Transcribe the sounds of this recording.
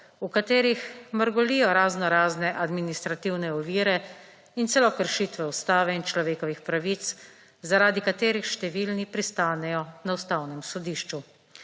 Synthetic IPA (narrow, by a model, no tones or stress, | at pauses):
ukat̪eːɾixməɾɡɔlijɔɾaːznɔɾaːznɛʔad̪minist̪ɾat̪iwnɛɔʋiːɾɛ | int̪sɛlɔkəɾʃit̪ʋɛust̪aːʋɛint͡ʃlɔʋeːkɔʋixpɾaʋit̪s | zaɾaːd̪ikat̪eːɾixʃt̪ɛʋilnipɾist̪aːnɛjɔnawst̪aːwnɛmsɔd̪iːʃt͡ʃu